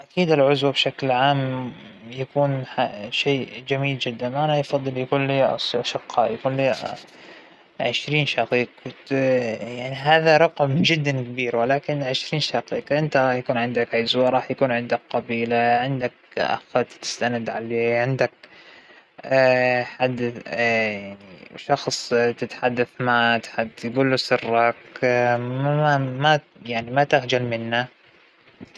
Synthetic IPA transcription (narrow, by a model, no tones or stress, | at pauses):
ʔakiːd̪ɪlʕʊzwabʃaklʕaːmjakuːnħaʃeːd͡ʒamiːld͡ʒɪd̪ːanʔanajfɑðˤːɨljakuːnliːʔʔaʃɪqːɑːjakuːnliː | ʕɪʃɾiːnʃɑqiːq | jaʕniɦaːðaɾˤɑqmd͡ʒɪd̪ːankabiːɾwɪlaːkɪnʕɪʃɾiːnʃɑqiːqʔɪnt̪aɾˤɑːħjakuːnʕɪnd̪akʕɪzwaɾˤɑːħjakuːnʕɪnd̪akqɑbiːlaʕɪnd̪akʔa̰xat̪t̪ɪ̥st̪anad̪ʕaleːʕɪnd̪ak̚ | ħad̪ː | jaʕniʃɑxsˤt̪ɪt̪ħad̪ːaθmat̪ħad̪ːjɡuːlːusɨrˤːɑk | ama | jaʕnimat̪axd͡ʒalmɪnːa